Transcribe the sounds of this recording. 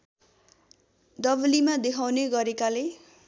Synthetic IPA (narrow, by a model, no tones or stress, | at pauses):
d̪ʌblimad̪ekʰawneɡʌɾekale